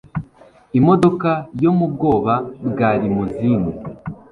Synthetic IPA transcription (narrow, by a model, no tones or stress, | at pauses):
imo̞do̞kajo̞mub̚ɡo̞ːβabɡaːɾimuzine